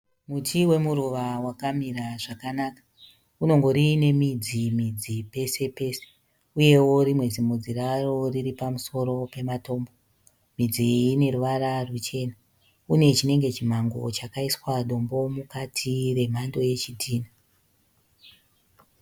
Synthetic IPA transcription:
mutiwe̞muɾuʋawakamiɾaʐakanakḁ | uno̞ŋɡo̞ɾine̞mid͡zimid͡zipe̞se̞pe̞se̥ | uje̞wo̞ɾimwe̞d͡zimod͡ziraro̞riripamuso̞ɾo̞pe̞mato̞ːmbo | mid͡ziːne̞ɾuʋaɾarut͡ʃe̞ːna | une̞t͡ʃine̞ŋɡe̞t͡ʃim̤aŋɡo̞̰t͡ʃakaiswaɗo̞mbo̞mukatʰire̞m̤ando̞je̞t͡ʃidʱiːna

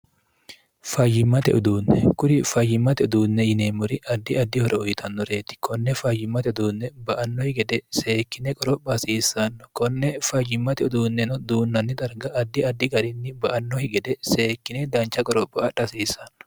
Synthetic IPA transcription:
fɐjːɪmːɐt̪ɛʔʊd̪uːnːɛkʊdɪfɐjːɪmːɐt̪ɛʊd̪uːnːɛjɪneːmːʊɾɪʔɐd̪ːɪɐd̪ːɪhɔɾɛɔjɪt̪ʰɐnːɔɾe̞ːt̪ɪ̥kʰɔnːɛfɐjɪmːɐt̪ɛʊd̪uːnːɛbɐʔɐnːɔhɪɡɛd̪ɛse̞ːkːɪnɛkʼɔɾɔbɐsiːsːɐnːɔ̥kɔnːɛfɐjɪmːɐt̪ɛʊd̪uːnːɛnɔd̪uːnːɐnːɪt̪ʼɐɾɡɐʔɐd̪ːɪɐd̪ːɪɡɐɾɪnːɪbɐʔɐnːɔhɪɡɛd̪ɛseːkːɪnɛd̪ɐnt͡ʃːɐkʼɔɾɔbːɐɐᶑɐsiːsɐnːɔ̥

